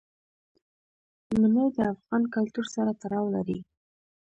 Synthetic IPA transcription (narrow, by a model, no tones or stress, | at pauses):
manəjd̪əafɣɑnkalt̪uɾsaɾat̪aɾɑwlaɾi